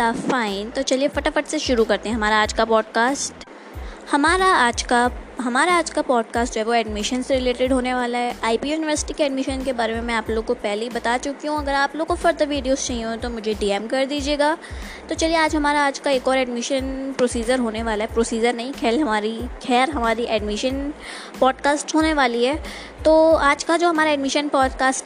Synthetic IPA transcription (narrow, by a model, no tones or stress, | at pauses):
d̪ɐfaːɪ̃nt̪ot͡ʃɐliefɐʈafɐʈseʃʊɾukɐɾt̪ẽɦɛ̃ɦɐmaːɾaaːd͡ʒkapɔːɖkaːsʈ | hɐmaːɾaaːd͡ʒkaɦɐmaːɾaaːd͡ʒkapɔːɖ̚kaːsʈ̚d͡ʒoːɦɛʋoɛːɖmɪʃənsɾɪleːʈɪɖɦoːneʋaːlaɦɛʔaːipijuːnɪʋəɾsɪ̥ʈikeɛːɖmɪʃənkebaːɾemẽmɛ̃aːploːɡ̚kopɛɦleibɐt̪at͡ʃʊkiɦũɐɡəɾaːploːɡ̚kofɐɾd̪əʋiːɖijoːzt͡ʃaːɦiũẽt̪omʊd͡ʒʱeɖiːɛmkɐɾd̪iːd͡ʒieːɡaː | t̪ot͡ʃɐlieaːd͡ʒɦɐmaːɾaaːd͡ʒkaeːkɔːɾɛːɖmɪʃənpɾoːsiːd͡ʒəɾɦoːneʋaːlaɦɛpɾoːsiːd͡ʒəɾnɐɦĩkʰɛːlɦɐmaːɾikʰɛːɾɦɐmaːɾiʔɛːɖmɪʃən | pɔːɖkaːsʈɦoːneʋaːliɦɛː | t̪oːaːd͡ʒkad͡ʒoːɦɐmaːɾaɛːɖmɪʃənpɔːɖkaːsʈ